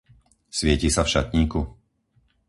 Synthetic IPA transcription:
sʋɪɛciːsafʃat̪ɲiːku

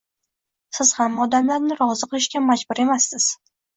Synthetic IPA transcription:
sɪz̥hamːɒd̪amlaɾnɪɾɒzɨqɨlˠɪʃkʲamad͡ʒbʊɾe̞masːɪz̥

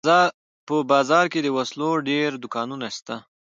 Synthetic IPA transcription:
pəbɑzɑɾked̪əwasloɖeɾd̪ʊkɑnunaʃt̪a

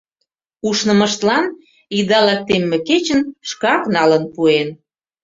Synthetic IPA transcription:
uʃnəmə̆ʃt̪lɑn | id̪ɑlɑk̚t̪emːĕket͡ɕənʃkɑknɑlənpuen

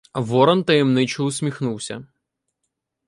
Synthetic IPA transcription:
ʋɔɾɐnt̪ɐjɛmnɪt͡ʃʊlˠʊsʲmʲixnuwsʲɐ̰

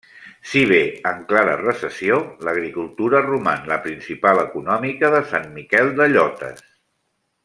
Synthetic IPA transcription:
siβ̞eəŋklaɾə̰rəsəsioləɣ̞ɾikulˠt̪uɾərumanləpɾinsipaləkunɔmikəðəsanmikɛlˠd̪əʎɔt̪ə̰s

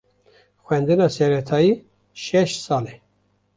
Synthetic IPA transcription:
xʷwɛnd̪ɨnɑːsɛɾɛt̪ʰɑːjiː | ʃɛʃsɑːlɛ

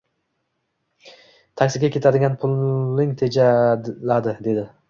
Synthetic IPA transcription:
t̪ʰakʲsɪɡʲakʲʰe̞t̪ʰad̪ɪɡʲanpʰʊlˠnɪŋt̪ʰe̞d͡ʒalad̪ɪd̪e̞d̪ɪ

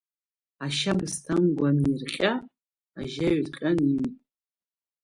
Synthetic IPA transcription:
aʃabɨstʰamɡʷamirχʲʼa | aʒaɥtʼqʲʼani

